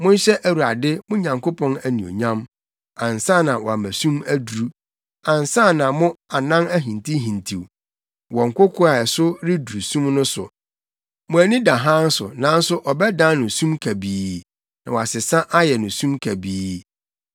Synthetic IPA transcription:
mʊ̃˦n˦ɕɛ˦ʔæ˨wu˨ɾa˨dɪ˦mʊ̃˦ɲã˨ŋko˦pʰɔ̃˦næ˨nĩ˨o̰˨ɲã˦m | ã˨n˨sã˦˨nã˨wɔ˨a˨mæ̃˨sũ˦mæ˦du˨ɾu˦ | ã˨n˨sa˦˨nã˨mʊ̃˦a˨nã˦næ˦ɦĩ˨ntʰi˦ɦĩ˨ntʰi˨w | wɔ˨ŋ˨kʷʊ˦kʰʊ˦a˨ɛ˨sʊ˦ɾɪ˦du˨ɾu˨sũ˦mnʊ̃˦sʊ̰˨ | mʊ̃˨æ˨nĩ˦dã˨ɦã˦n̩˦sʊ̰˨nã˨˦n̩˦sʊ˦ʔɔ˨bɛ˦dã˦nʊ̃˨sũ˦mkʰæ˨biː˨˦ | nã˨wɔ˨a˨sɪ˨sã˦ʔa˦jɛ˨nʊ̃˨sũ˦mkʰæ˨biː˦

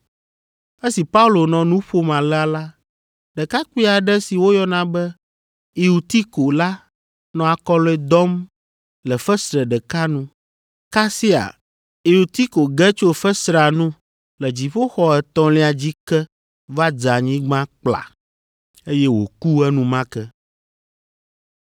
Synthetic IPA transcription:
e˦si˨pa˦u˦lo˨nɔ̃˨nũ˦ɸo˦mã˨lɛ˦a˨la˦ | ɖɛ˨ka˦k͡pi˦a˨ɖɛ˦si˨wo˦jɔ˦nã˨bɛ˦ | i˨u˨t̪i˦ko˨la˦ | nɔ̃˨a˨kɔ˦lɔ˦ɛ˦d̪ɔ˦m | lɛ˨fɛ˦sɾɛ˨ɖɛ˨ka˦nũ˦ | ka˦si˦a̰˨ | i˨u˨t̪i˦ko˨ɡɛ˦t͡ʃo˦fə˦sɾa˨nũ˦ | lɛ˨d͡ʑi˨ɸo˦xɔ˦ɛ˨t̪ɔ̃˦le˦a˨d͡ʑi˦kɛ˦ | va˦d͡ʒa˨ɲĩ˦ɡ͡bã˦k͡pla̰˨ | e˦jɛ˦wo̰˨ku˦ɛ˦nũ˦mã˦kɛ˦

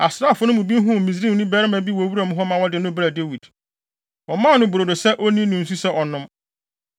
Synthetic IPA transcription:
a˨sɾa˦˨fʊ˨˦nʊ̃˦mũ˨bi˦ɦʊ̃˦˨mĩ˨z̬ɾĩ˦˨˦ʊ̃˦bɛː˦ɾɪ˦mã˨bi˦wo˨wu˦ɾa˨mʊ̃˦ɦɔ˦mã˨wɔ˦dɪ˨nʊ̃˦bɾa˨de˦wi˨d̥ | wɔ˨mã˦˨˦nʊ̃˦bɾo˨do˨sɛ˦ʔo˦nĩ˦nʊ̃˨n̩˨su˦sɛ˦ʔɔ˨nʊ̃˦m

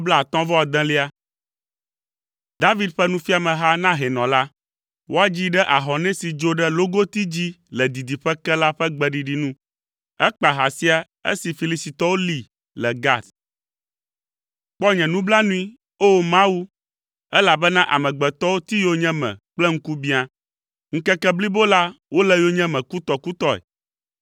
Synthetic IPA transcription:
bla˦a˨t̪ɔ̃˦vɔ˦a˨d̪ɛ̃˦li˦a˦ | d̪a˦vi˦d̪ɸɛ˦nũ˦fi˦a˨mɛ̃˨ɦa˦nã˦ɦɛ˨nɔ̃˨la˦ | wo˦a˦d͡ʑi˦ɖɛ˦ʔa˨ɦɔ˨nɛ̃˦si˨d͡ʒo˦ɖɛ˦lo˦ɡo˦t̪i˦d͡ʑi˦lɛ˨d̪i˨d̪i˨ɸɛ˦kɛ˦la˦ɸɛ˦ɡ͡bɛ˨ɖi˨ɖi˨nũ˦ | ɛ˦k͡pa˨ɦa˨si˦a˨ | ḛ˦si˨fi˨li˦si˨t̪ɔ˦wo˦li˨ | lɛ˨ɡa˦d̪ | k͡pɔ˦ɲɛ̃˨nũ˦bla˦nũ˦i˦ | o˦mã˦wu˦ | ɛ˦la˨bɛ˦nã˦ʔa̰˨mɛ̃˨ɡ͡bɛ˨t̪ɔ˦wo˦t̪i˦jo˦ɲɛ̃˦mɛ̰̃˨k͡plɛ˦ŋ̩˦ku˦bĩ˦a˨ | ŋ̩˦kɛ˦kɛ˦bli˦bo˦la˦wo˦lɛ˦jo˦ɲɛ̃˦mɛ̃˨ku˦t̪ɔ˨ku˦t̪ɔ˦ɛ̰˨

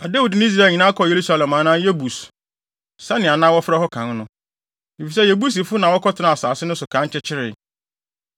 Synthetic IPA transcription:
a˨de˦wu˨dnɪ̃˦i˦s̬ɾaː˦˨ɲĩ˨nã˦kʰɔ˨je˨ɾu˦sa˦lɛ̃˨mã˨˦nãː˦je˦bu˨s | sa˦nɪ̃˨a˨nãː˦wɔ˦fɪ˦ɾɛ˦ɦɔ˦kʰã˨n˦nʊ̃˦ | i˨fi˨s̬ɛ˦jɛ˨bu˦s̬i˨fʊ˦nã˨wɔ˦kʰɔ˦tʰɪ˨nã˨a˨saː˨sɪ˦nʊ̃˦sʊ˨kʰã˨˦ɲ˦t͡ɕʰɛ˦t͡ɕʰɪ˦ɾɪ˨

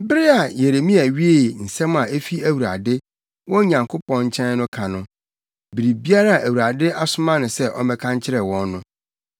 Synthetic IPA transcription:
bɪ˦ɾɪ˦a˨je˨ɾe˨mĩ˦æ˨ɥi˦e˦˨n̩˨sɛ̃˦m˦ã˨e˦fi˦æ˨wu˨ɾa̰˨dɪ˦ | wɔ̃˦ɲã˨ŋkʰo˦pɔ̃˦ɲ̩˦t͡ɕʰɛ̃˦n˦nʊ̃˦kʰã˨nʊ̃˨˦ | bi˨ɾi˨bi˦a˦ɾa˦˨ʔæ˨wu˨ɾa˨dɪ˦ʔa˦sʊ˦mã˦nʊ̃˨sɛ˦ʔɔ˦mɛ̃˦kʰã˦ɲ˦t͡ɕʰɪ˦ɾɛ˨wɔ̃˦nːʊ̃˦

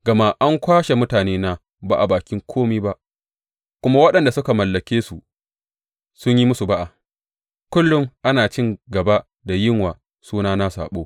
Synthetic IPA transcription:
ɡɐ˨ma˦ʔa˦ŋkʷaː˦ʃe˨mʊ˦taː˨neː˦naː˦ | ba˨ʔa˨baː˨kʲɪ˦ŋkʷʰoː˦miː˦ba˦ʔ | kʷʊ˦ma˦wɐ˦ɗɐ˨nda˨sʊ˦ka˨mɐ˨lːɐ˨kʲeː˦su˨ | sʊ˦ɲji˦mʊ˦su˨ba˦ʔa˨ | kʷʊ˦lːʊ˦mʔa˦naː˨t͡ʃɪ˦ŋɡɐ˨ba˦ | da˨jɪ˦ŋwaː˨ | suː˦naː˦na˦sa̰ː˨ɓoː˦

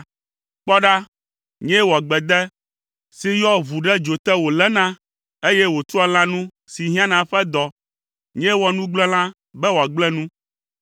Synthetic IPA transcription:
k͡pɔ˦ɖa˦ | ɲɛ̃˦wo˨a˨ɡ͡bɛ˨d̪ɛ˦ | si˦jɔ˦βu˨ɖɛ˦d͡ʒo˨t̪ɛ˦wo˨lɛ˦nã˦ | e˦jɛ˦wo˨t̪u˦a˦l̃ã˦nũ˦ | si˨ɦĩ˦ã˦nã˨ɸɛ˦d̪ɔ˨ | ɲɛ̃˦wɔ˨nũ˦ɡ͡blɛ˦l̃ã˦ | bɛ˦wo˨a˨ɡ͡blɛ̃˦nũ˦

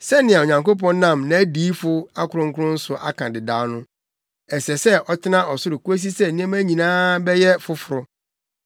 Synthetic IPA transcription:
sɛ˦nɪ̃˨a˨o˨ɲã˨ŋko˦pɔ̃˦n˦nã˦˨mnã˨æ˦diː˨˦fʊ˦a˦kʰʊ˨ɾʊ̃˦ŋ̩˦kʰʊ˦ɾʊ̃˦n̩˦sʊ˨ʔa̰˦kʰã˨dɪ˨daː˨˦nʊ̃˦ | ɛ˨sɛ˨sɛ˦ɔ˦tʰɪ˦nã˦ɔ˨sʊ˦ɾʊ˨ku˦æ˦s̬i˦sɛ˦nĩ˦ɛ̃˦mæ˦ɲĩ˨nãː˦bɛ˦jɛ˦fʊ˦fʊ˨ɾʊ˦

